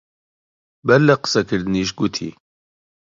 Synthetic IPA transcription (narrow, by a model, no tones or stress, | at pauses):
bɛɾlɛqɨ̥sɛkʰɨɾd̪ɨniʃ̬ɡut̪ʰḭ